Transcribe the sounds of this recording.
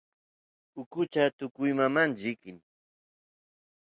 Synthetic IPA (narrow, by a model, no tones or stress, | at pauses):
ʊkʊt͡ʃat̪ʊkʊjmamanʎɪkɪŋ